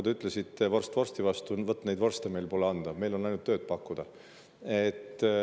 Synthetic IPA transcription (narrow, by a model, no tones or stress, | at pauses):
d̪yt̪ːˑlesit̪ːevorst̪vo̞rst̪ivɑst̪uvɤt̪ːne̞jd̪vo̞rst̪eme̞jlpo̞leɑnd̪̥ɑme̞jlo̞nːɑjnut̪ːøːd̪̥̚pɑkːud̪̥ɑ | et̪ːˑ